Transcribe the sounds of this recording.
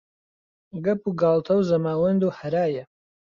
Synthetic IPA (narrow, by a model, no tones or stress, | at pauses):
ɡɐpuːɡaːlˠt̪ʰɐwzɐmaːwɐnd̪uːhɐɾaːjɐ